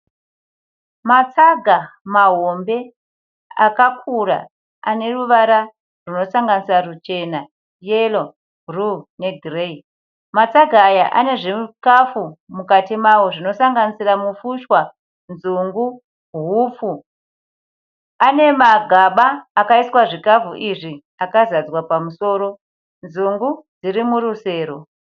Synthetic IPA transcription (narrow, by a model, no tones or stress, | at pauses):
mat͡saɡʱamaɦombe̞ | a̰kakʰuɾa̰ | ane̞ruʋaɾa | runo̞saŋɡanisirarut͡ʃe̞na | jelo | rune̞ɡʱirei | mat͡saɡʱaːjaʔa̰ne̞ʐemukafumukatimawo̞ʐino̞saŋɡanisiramufuʃwa | nzuŋɡu | ɦufu | ane̞maɡʱaɓaːkaiswaʐikafṵʔiʐi | akazad͡zwapamuso̞ːɾo | nzuŋɡud͡ziɾimuɾuse̞ːɾo̞